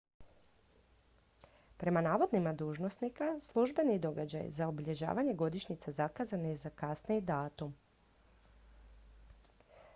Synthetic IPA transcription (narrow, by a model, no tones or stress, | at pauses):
pɾe̞manaːʋo̞d̪nimad̪uːʒnosnikaslˠuʒbe̞nid̪o̞ɡad͡ʑa̰jzaobiʎe̞ʒa̰ːʋaɲe̞ɡo̞d̪iʃɲit̪sazakazanezakasneid̪aːt̪um